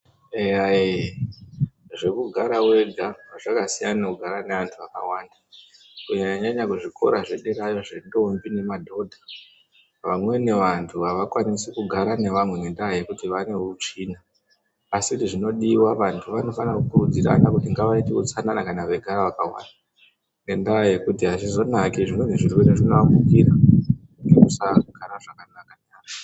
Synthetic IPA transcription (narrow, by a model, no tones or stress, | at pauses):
eae | ʐe̞kuɡʱaɾawe̞ɡʱawaʐakasijanakuɡʱaɾane̞ʋantʰuaka̰waːnda | kuɲaɲaɲaɲakuʐiko̞̰ɾaʐe̞ɗeɾajo̞ʐe̞ɗombine̞madʱo̞dʱa | ʋamwe̞ne̞ʋantʰuaʋakwanisikuɡʱaɾane̞ʋamweɲendaje̞kutiʋane̞uut͡ʂiːnaː | sidiʐino̞ɗiwaʋantʰuʋano̞fanakukurud͡ziɾa̰nakutiŋɡaʋaitikut͡sananakanaʋe̞ɡʱaɾaʋakawa̰nda | ne̞ndaaje̞kutiɦat͡ʃizo̞nakiʐimweniʐirweneʐinambukiɾa | uŋɡekusaɡʱaɾaʐakanakanaːk